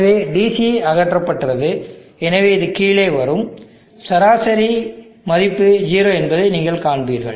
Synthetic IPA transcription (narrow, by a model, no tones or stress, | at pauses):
ʋeːɖiːsiɐɣɐʈrɐpːɐʈːɯrɐðɯɛnɐʋeːɪðɯkiːɭeːʋɐɾɯm | sɐɾaːsɐɾi | mɐðɪpːɯd͡ʒiːɾoːɛnbɐðɐɪniːŋɡɐɭkaːɳbiːɾɣɐ̰ɭ